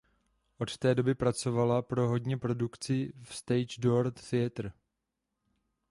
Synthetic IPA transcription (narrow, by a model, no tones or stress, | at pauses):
ʔo̞t̪t̪ɛːdo̞bɪpɾat͡so̞valapɾo̞ɦo̞dɲɛpɾo̞dukt͡sɪfst̪ɛjd͡ʒdoɾt̪θɪɛt̪r̩